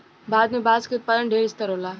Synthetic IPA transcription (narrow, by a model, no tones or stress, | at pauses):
baːd̪mẽbaːzkɪt̪̚pəɾəɳɖʱeːɾɪst̪əɾoːlaː